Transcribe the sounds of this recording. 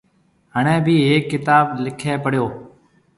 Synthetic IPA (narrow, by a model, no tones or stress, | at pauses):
ɦəɳ̃ẽːbʱiːɦeːkːɪt̪aːblɪkʰeːpəɽjoː